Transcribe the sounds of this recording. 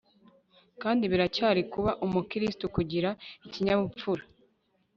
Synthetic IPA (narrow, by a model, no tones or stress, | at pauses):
kaːndiβiɾacaːɾikuβaʔumukiɾistukuɟiɾaiciɲaβup͡fuɾa